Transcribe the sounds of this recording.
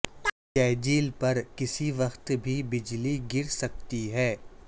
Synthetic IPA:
kɛːd͡ʒiːlpɐɾkɪsiʋɐxt̪bʱibɪd͡ʒliɡɪɾsɐk̚t̪iɦɛː

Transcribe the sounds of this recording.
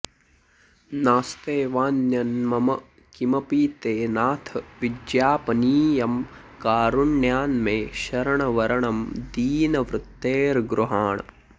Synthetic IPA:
naːst̪eːʋaːnjɐnmɐmɐ | kimɐpiːt̪eːnaːt̪ʰʋid̪jaːpɐniːjɐm | kaːɾuɳːjaːnmẽːʃɐɾɐɳɐʋɐɾɐɳɐmd̪iːnɐʋɾʊt̪ːeːɾɡɾuɦaːɳ

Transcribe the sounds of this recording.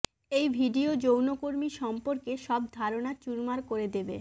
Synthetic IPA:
ejbʱiɖiod͡ʑownokoɾmiʃɔmpoɾkeʃɔb̚d̪ʱaɾonat͡ɕuɾmaɾkoɾed̪ebḛ

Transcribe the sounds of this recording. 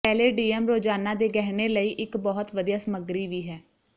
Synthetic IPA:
pɛːleːɖiːɛmɾoːd͡ʒaːnãːd̪eːɡɛɦɽ̃eːləiːʔɪkbɔːt̪ʋəd̪ijaːsəməɡɾiːʋiːɦɛː

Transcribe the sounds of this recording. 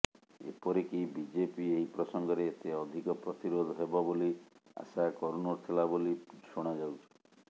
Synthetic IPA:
ḛpɔɾekibid͡ʒepieɦipɾɔsɔŋɡɔɾeːt̪eɔd̪ʱikɔpɾɔt̪iɾod̪ʱɔɦebɔbolia̰sakɔɾonoɾt̪ʰelaboliʃoɽ̃ad͡ʒawt͡ʃʰi̥

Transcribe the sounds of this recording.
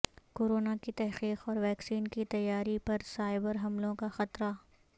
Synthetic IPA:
koːɾoːnakit̪ɛɦqiːqɔːɾʋɛːksiːnkit̪ɐjːaːɾipɐɾsaːɪbəɾɦɐmlõkaxɐt̪ɾa

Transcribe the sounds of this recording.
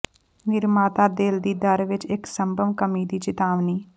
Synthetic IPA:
nɪɾmaːt̪ad̪eːld̪iːd̪əɾʋɪt͡ʃeksəmbʱəʋkəmid̪iːt͡ʃɪt̪aːʋniː

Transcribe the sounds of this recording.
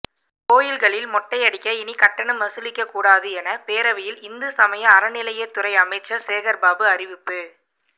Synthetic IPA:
koːjɪlɣɐɭɪlmɔʈːɐɪɐɽɪkːɐɪnikɐʈːɐɳɐmːɐsɯlɪkːɐkːuːɽaːðɯɛnɐpeːɾɐʋɪjɪlɪnd̪ɯsɐmɐjɐ̃ːɾɐnɪlɐjet̪ːʊɾɐɪɐmɐɪt͡ʃːɐseːɣɐɾbaːbɯɐrɪʋɪpːɯ

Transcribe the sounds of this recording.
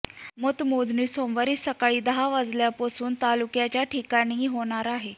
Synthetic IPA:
mot̪mod͡z̪niːsomʋəɾiːsəkaɭiːd̪əɦaʋad͡zljapasuːnt̪alukjat͡ɕjaʈʰikaɽ̃iːɦoɽ̃aɾaɦe

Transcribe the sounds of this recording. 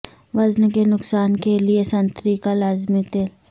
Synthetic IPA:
ʋɐznkenʊksaːnkeliesɐ̃nt̪ɾikalaːzmit̪eːl

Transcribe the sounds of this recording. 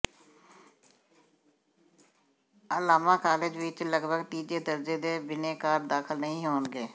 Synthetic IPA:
əlaːmãːkaːlɪd͡ʒʋɪt͡ʃləɡbʱəɡʈiːd͡ʒeːd̪əɾd͡ʒeːd̪eːbɪneːkaːɾd̪aːkʰəlnəɦĩːɦoːnɡeː

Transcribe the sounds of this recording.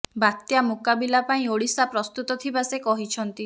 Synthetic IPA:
bat̪jamukabilapaĩoɽisapɾɔst̪ut̪ɔt̪ʰibasekɔɦit͡ʃʰɔnt̪i

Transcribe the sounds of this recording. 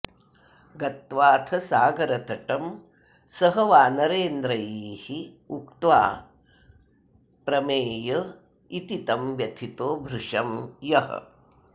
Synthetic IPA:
ɡɐt̪ʋaːt̪ʰɐsaːɡɐɾɐt̪ɐʈɐm | sɐɦɐʋaːnɐɾeːnd̪ɾɐjiːhi | ukt̪ʋa̰ː | pɾɐmeːjɐ | it̪it̪ɐmʋjɐt̪ʰit̪oːbʱɾuʂɐmjɐɦɐ̰

